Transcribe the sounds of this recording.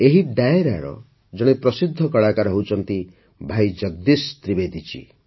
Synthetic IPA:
eɦid̪ajeɾa̰ɽɔ̰ | d͡ʒɔɽ̃epɾɔsid̪ʱːɔkɔɭakaɾɔɦewut͡ʃʰɔnt̪i | bʱajd͡ʒʌɡ̚d̪ist̪ɾibed̪ʱit͡ʃʰḭ

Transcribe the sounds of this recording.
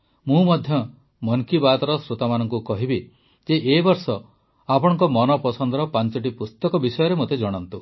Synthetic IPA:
mũmɔd̪ʱjɔ | mɔŋkibat̪ɔɾɔsɾut̪amanɔŋkukɔɦibi | d͡ʒeʔebɔɾsɔ | apɔɽ̃ɔŋkɔmɔnɔpɔsʰɔnd̪ɔɾɔpant͡ʃɔʈ̬ipust̪ɔkɔbisɔjɔɾemot̪ed͡ʒɔɽ̃ɔnt̪u

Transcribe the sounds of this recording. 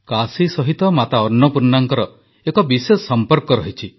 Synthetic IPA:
kasisɔɦit̪ɔmat̪aɔɾnːɔpuɾnaŋkɔɾɔ | ekɔbisessɔmpɔɾkɔɾɔɦit͡ʃʰi

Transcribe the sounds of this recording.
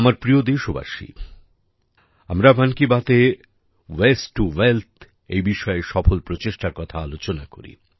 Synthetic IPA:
amaɾpɾiod̪eʃoba̰ʃḭ | amɾabankibat̪e | wesʈuwelt̪ʰ | ejbiʃɔeʃɔfolpɾot͡ɕeʃʈaɾkɔt̪ʰaalot͡ɕonako̰ɾḭ

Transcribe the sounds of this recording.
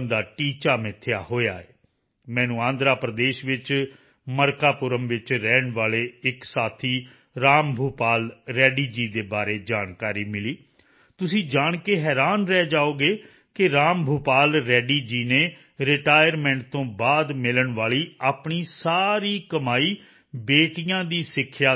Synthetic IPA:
nd̪aːʈiːt͡ʃaːmɪt̪ʰːjaːhoːja̰ːḛː | mɛ̃ːnũːãːnd̪ɾaːpɾəd̪eːʃʋɪt͡ʃ | məɾkaːpʊɾəmʋɪt͡ʃɾɛːɳʋaːleːɪksaːt̪ʰiː | ɾaːmbʱuːpaːlɾɛːɖiːd͡ʒiːd̪eːbaːɾeːd͡ʒaːnkaːɾiːmɪliː | t̪ʊsĩːd͡ʒaːɳkeːɦɛːɾaːnɾɛːd͡ʒaːoːɡeː | kɪɾaːmbʱuːpaːlɾɛːɖiːd͡ʒiːneː | ɾɪʈaːjəɾmɛ̃ːɳʈ̚t̪õːbaːd̪mɪləɳʋaːɭiːaːpɳiːsaːɾiːkəmaːiː | beːʈijãːd̪iːsɪkʰːjaː

